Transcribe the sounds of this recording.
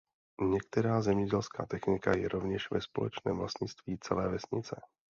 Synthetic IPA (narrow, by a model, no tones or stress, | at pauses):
ɲɛkt̪ɛɾaːzɛmɲɛɟɛlska̰ːt̪ɛxnɪkajɛɾʔovɲɛʃvɛspo̞lɛ̰t͡ʃnɛ̰ːmvlast̪ɲɪt͡st̪viːt͡sɛlɛːvɛsɲɪt͡sɛ